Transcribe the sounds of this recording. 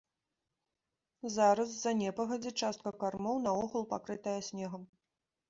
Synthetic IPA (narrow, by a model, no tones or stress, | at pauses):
zaɾɐzzɐnʲɛpɐɣɐd͡zʲit͡ʂast̪̚kɐkarmɔwnɐɔɣɐlˠpakɾɨt̪ɐjɐsʲnʲɛɣɐm